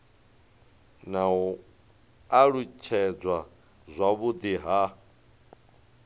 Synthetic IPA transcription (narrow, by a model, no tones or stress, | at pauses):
naɦu | aɺut͡ʃʰɛd͡zwa | zʷaβud̪iɦa